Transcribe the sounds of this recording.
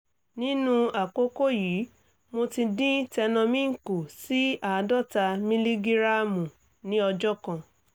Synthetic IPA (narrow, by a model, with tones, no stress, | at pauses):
nĩ˦nũ˦a˨ko˦ko˦ji˨˦ | mo˧ti˧dĩ˦tɛ˧nɔ̃˧mĩ˦ŋ̩˨ku˨si˨˦a˨˧dɔ˦˨ta˧mĩ˦li˦ɡi˦ɾa˦mũ˨ | nĩ˦ɔ˧d͡ʒɔ˦kã˧